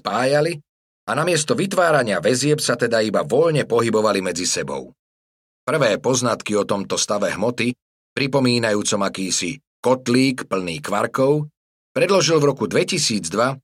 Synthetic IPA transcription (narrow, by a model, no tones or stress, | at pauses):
spaːjali | anamɪɛst̪ɔʋit̪ʋaːɾaɲɪaʋɛzɪɛpsat̪ɛd̪aibaʋɔʎɲɛpɔɦibɔʋalimɛd͡zisɛbɔ̰ʊ | pr̩ʋɛːpɔznat̪kiɔt̪ɔmt̪ɔst̪aʋɛɦmɔt̪i | pɾipɔmiːnajuːt͡sɔmakiːsḭ | kɔt̪liːkpl̩nḭːkʋa̰ɾkɔʊ | pɾɛd̪lɔʒilvɾɔkud̪ʋɛcisiːd͡zd̪ʋa